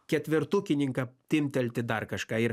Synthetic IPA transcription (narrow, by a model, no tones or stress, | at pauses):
kʲɛt̪ʲʋʲɪɾt̪uːkʲɪnʲɪŋkɐt̪ʲɪmʲt̪ʲɛlʲt̪ʲɪd̪ɐrkɐʃkɑːɪɾ